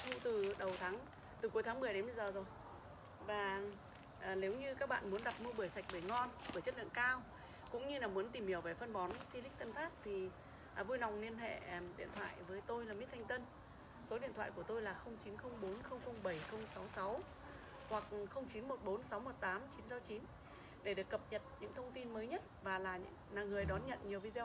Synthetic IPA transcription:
ŋ͡mt̪ɨ˨˩ɗə˨˩wt̪ʰaː˨˦ŋ | t̪ɨ˨˩ku˨˦jt̪ʰaː˨˦ŋmɨ˨˩əjɗe˨˦nɓə˧zəː˨˩zo˨˩j | vaː˨˩ | ʔːne˨˦wɲɨ˧kaː˦˥k̚ɓa̰ː˧˨nmu˨˦ənɗa˨˩t̚m˧ɓɨ˨˩əjsa˨˩jk̟̚ɓe˧˩ŋɔ˧nɓɨː˧˩t͡ɕə˦˥t̚lɨ̰˧˨əŋkaː˧w | kʊ̰˧˥ŋ͡mɲɨ˧laː˨˩mu˨˦ənt̪i˨˩mhi˧˩əwve˧˨˩fə˧nɓɔ˨˦nswi˧lï˦˥k̟̚t̪ə˧nfaː˦˥t̚t̪ʰi˨˩˨ | vu˧jna˨˩wŋ͡mli˧ənɦḛ˧˨ɗḭ˧˨ənt̪ʰwa̰ː˧˨jvəː˨˦jt̪o˧jlaː˨˩mi˦˥t̪̚ʰjŋ̟t̪ə˧n | so˨˦ɗḭ˧˨ənt̪ʰwaː˧˨ku˧˩ət̪o˧jlaː˨˩xə˧wŋ͡mt͡ɕi˨˦nxə˧wŋ͡mɓo˨˦nxə˧wŋ͡mxə˧wŋ͡mɓə˧˩jxə˧wŋ͡msa˨˦wsa˨˦w | hwa˨˩k̚xə˧wŋ͡mt͡ɕi˨˦nmo˨˩t̚ɓo˨˦nsa˨˦wmo˨˩t̚t̪aː˨˦mt͡ɕi˨˦nsa˨˦wt͡ɕi˨˦n | ɗe˧˩ɗɨ˨˩əkːə˨˩p̚ɲə˨˩t̚ɲɨ̰˧˥ŋt̪ʰə˧wŋ͡mt̪i˧nməː˨˦jɲə˦˥t̚vaː˨˩laː˨˩ɲɨ̰˧˥ŋnaː˨˩ŋɨ˨˩əjɗɔ˨˦nɲə̰˧˨nɲi˨˩əwvi˧zɛ˧w

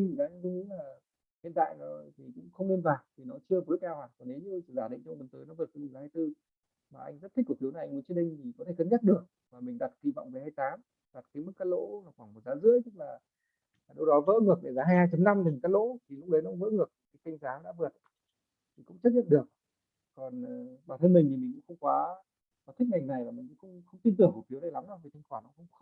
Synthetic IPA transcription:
i˨˩zaː˨˦˧i˨˦laː˨˩ | hḭ˧˨ənt̪a̰ː˧˨jnɔ˨˦t̪ʰi˨˩kʊ̰˧˥ŋ͡mxə˧wŋ͡mni˧nvaː˨˩t̪ʰi˨˩nɔ˨˦t͡ɕɨ˧əm˨˩t̚lk̚ʔɛ˧whaː˨˩kɔ˨˩ne˨˦ɲ˧˩zaː˧˩ɗḭ˧˨ŋ̟t͡ɕɔ˧ŋ͡mə˨˩nt̪əː˨˦jnɔ˨˦və˨˩t̚kə˨˦i˧˩zaː˨˦haː˧jt̪ɨ˧ | maː˨˩ʔa̰˧jŋ̟zə˦˥t̪̚ʰi̟˦˥kfi˨˦na˨˩ʔa˧ŋmu˨˦t͡ɕi˦˥ɗi˧ŋt̪ʰi˨˩kɔ˨˦t̪ʰe˧˨˩kə˨˦nza˦˥t̚ɗɨ˨˩ək̚ | maː˨˩mï˨˩ŋ̟ɗa˨˩t̚ki˧˩vɔ̰˧˨wŋ͡mvəː˨˩jhaː˧jt̪aː˨˦m | ɗa˨˩t̚kaː˨˦m˦˥k̚kaː˦˥lo̰˧˥laː˨˩xwaː˧˩mo˨˩t̚zaː˨˦zɨ̰˧˥əjt̪ɨ˦˥k̚laː˨˩˨ | ɗə˧wɗɔ˨˦və̰ː˧˥ŋɨ˨˩ək̚ɗe˧˩zaː˨˦ɦaː˧jhaː˧jt͡ɕə˨˦mna˧mmi˨˩ŋ̟kaː˨˦j̚lo̰˧˥t̪ʰi˨˩lʊ˦˥k͡p̚ɗə˨˦jna̰˧˥ŋ͡mvə̰ː˧˥ŋɨ˨˩ək̚kaː˨˦jka˧jŋ̟zaː˨˦ɗa̰ː˧˥vɨ˨˩ə˩t̚ | t̪ʰi˨˩kʊ̰˧˥ŋ͡mt͡ɕə˦˥t̚ɲə̰˧˨nɗɨ˨˩ək̚ | kɔ˨˩n˨˩ɓaː˨˩t̪ʰə˧nmï˨˩ŋ̟ʰi˨˩mi̟˨˩kxə˧wŋ͡mkwaː˨˦ | kɔ˨˦t̪ʰi˦˥k̚ŋa˨˩jŋ̟na˨˩jlaː˨˩mi̟˨˩kʊ̰˧˥kʊ̰˧˥wŋ͡mxə˧wŋ͡mt̪i˧nt̪̬ɨ˨˩əŋku˧˩fi˨˦əna˨˩jla˨˦mɗaː˧˦vi˨˩t̪ʰi˧ŋxwaː˧˩na̰˨˧˥xə˧wŋ͡m

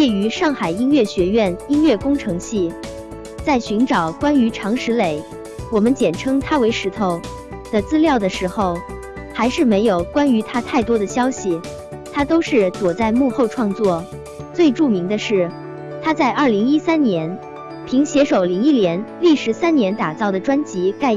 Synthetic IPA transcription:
t͡ɕɛ˥˩y˧˥ʂɑ˥˩ŋxa˨˩ɪi˥nɥɛ˥˩ɕɥɛ˧˥ɥɛ˥˩ni˥nɥɛ˥˩kʊ˥ŋʈ͡ʂʰɤ˧˥ŋɕi˥˩ | t͡sa˥˩ɪɕy˧˥nʈ͡ʂɑ˨˩˦ʊkwa˥ny˧˥ʈ͡ʂʰɑ˧˥ŋʂɻ̩˧˥le˨˩ɪ | wɔ˨˩mə˦nt͡ɕjɛ˨˩nʈ͡ʂʰɤ˥ŋt̪ʰa˥we˧˥ɪʂɻ̩˧˥t̪ʰo˧˩ʊ | d̪̥ə˨t͡sɹ̩˥ljɑ˥˩ʊd̪ə˩ʂɻ̩˧˥xo˥˩ʊ | xa˧˥ɪʂɻ̩˥˩me˧˥ɪjo˨˩ʊkwa˥ny˧˥t̪ʰa˥t̪ʰa˥˩ɪt̪wɔ˥d̪ə˨ɕjɑ˥ʊɕi˨ | t̪ʰa˥t̪o˥ʊʂɻ̩˥˩t͡swɔ˨˩t͡sa˥˧ɪmu˥˧xo˥˧ʊʈ͡ʂʰwɑ˥˧ŋt͡swɔ˥˩ | t͡swe˥˧ɪʈ͡ʂu˥˩mi˧˥ŋd̪ə˧ʂɻ̩˥˩ | t̪ʰa˥t͡sa˥˧ɪʔɐ˞˥˩li˧˥ŋi˥sa˥nnjɛ˧˥n | pʰi˧˥ŋɕjɛ˧˥ʂo˨˩ʊli˧˥ŋi˥ljɛ˧˥nli˥˩ʂɻ̩˧˥sa˥nnjɛ˧˥nt̪a˨˩t͡sɑ˥˩ʊd̪ə˩ʈ͡ʂwa˥nt͡ɕi˧˥ka˥˩ɪ

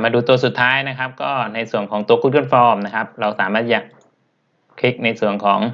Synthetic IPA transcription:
maː˧duː˧t̪u˧ɐsu˨˩t̪ʰːaː˦˥jna˦˥kʰa˦˥p̚kɔː˥˩na˧jsu˨˩əŋkʰɔː˩˦ŋt̪u˧ɐkʰuː˦˥ɯː˥˩nfɔː˧mna˦˥kʰa˦˥p̚ɾa˧wsaː˩˦maː˥˩t̪̚ja˨˩ | kʰi˦˥k̚na˧jsu˨˩əŋkʰɔː˩˦ŋ

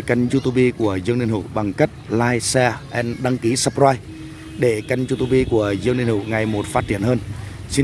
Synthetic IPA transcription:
ka˧jŋ̟zu˧t̪u˧ɓi˧ku˧˩əzɨ˧ŋni˧ənhɨ̰˧˨wɓa˨˩ŋka˦˥k̟̚laː˧jsɛ˧ʔɛ˧nɗa˧ŋki˨˦sa˧˥p̚zaː˧j | ɗe˧˩ka˧jŋzu˧t̪u˧ɓi˧ku˧˩əzɨ˧ŋni˧nhṵ˧˨ŋa˨˩jmo˨˩t̚faː˦˥t̚t͡ɕi˧˩ənhəː˧n | si˧

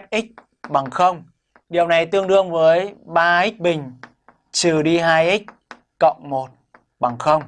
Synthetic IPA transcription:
t̚ʔi˦˥k̟̚ | ɓa˨˩ŋxə˧wŋ͡m | ɗi˨˩əwna˨˩jt̪ɨ˧əŋɗɨ˧əŋvəː˨˦jɓaː˧ʔi˦˥k̚ɓï˨˩ŋ̟ | t͡ɕɨ˨˩ɗi˧ɦaː˧jʔi˦˥k̚ | kə̰˧˨wŋ͡mmo˨˩t̚ | ɓa˨˩ŋxə˧wŋ͡m

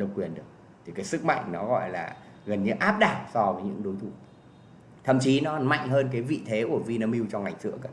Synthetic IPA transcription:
nə˨˧w̚kwi˨˩ənɗɨ˨˩ək̚ | t̪ʰi˨˩kaː˨˦jsɨ˦˥k̚ma̰˧˨jŋ̟nɔ˨˦ɣɔ̰˧˨jla̰ː˨˩ | ɣə˨˩nɲɨ˧˦ʔaː˦˥p̚ɗaː˨˩t̚sɔ˧vəː˨˦jɲɨ̰˧˥ŋɗo˨˦jt̪ʰu˧˩ | t̪ʰə̰˧˨mt͡ɕi˨˦nɔ˨˦ma̰˧˨jŋ̟ɦəː˧nk̬aː˨˦jvḭ˧˨t̪ʰe˨˦ku˧˩əvi˧naː˧mi˧wt͡ɕɔ˧ŋ͡mŋa˨˩jŋ̟sɨ̰˧˥əkə˨˧˩

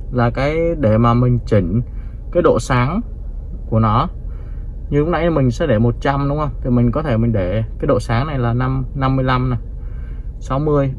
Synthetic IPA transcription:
laː˨˩kaː˨˦jɗe˧˩maː˨˩mï˨˩ŋ̟t͡ɕï˧˩ŋ̟ | kaː˨˦jɗo̰˧˨saː˨˦ŋ | ku˧˩ənɔ˨˦ | ɲɨ˧hʊ˨˦ŋ͡m̚na˧jmï˨˩ŋ̟sɛ̰˧˥ɗe˧˩mo˨˩t̚t͡ɕa˧mɗʊ˨˦ŋ͡mhə˧wŋ͡mt̪ʰi˨˩mï˨˩ŋ̟kɔ˨˦t̪ʰe˧˩mï˨˩ŋ̟ɗe˧˩kaː˨˦jɗo̰˧˨saː˨˦ŋna˨˩jlaː˨˩na˧mna˧mːɨ˧əjla˧mna˨˩j | sa˨˦wmɨ˧əj

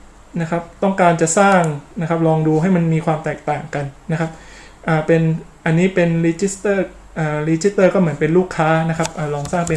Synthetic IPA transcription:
na˦˥kʰa˦˥p̚t̪ɔ˥˩ŋkaː˧nt͡ɕa˨˩saː˥˩ŋna˦˥kʰa˦˥p̚lɔː˧ŋduː˧ɦa˥˩jma˧nmiː˧kʰwaː˧mt̪ɛː˨˩k̚t̪aː˨˩ŋka˧nːa˦˥kʰa˦˥p̚ | ʔaː˨˩pe˧nʔa˧nːiː˦˥pe˧nɾiː˧t͡ɕi˦˥st̪ɤː˥˩ | ʔaː˨˩ɾiː˧˥t͡ɕi˦˥st̪ːɤː˥˩kɔː˥˩mɯ˩˦ə˦npe˧nluː˥˩kʰːaː˦˥na˦˥kʰp̚ʔaː˨˩ɾɔː˧ŋsaː˥˩ŋpe˧

